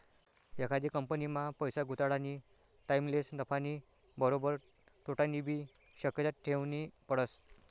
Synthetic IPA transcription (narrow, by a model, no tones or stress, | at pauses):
jekʰad̪iːkəmpənimapəjsaɡʱut̪aɽani | ʈaimlesnəpʰaniː | bəɾobəɾ | t̪ʰoʈanibʱiː | ɕəkjətat̪̚ʈʰeʋnipəɽəs